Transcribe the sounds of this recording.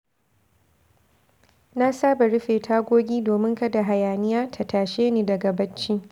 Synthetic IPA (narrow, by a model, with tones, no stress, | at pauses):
na˦saː˦ba˨ɽɪ˦ɸeː˨tʰaː˦ɡʷoː˦ɡʲiː˦doː˨mɪ˦ŋkɐ˦da˨ɦa˨jaː˨nɪ˦jaː˦tʰa˨taː˨ʃeː˦niː˨dɐ˨ɡa˨bɐ˦t͡ʃːi˦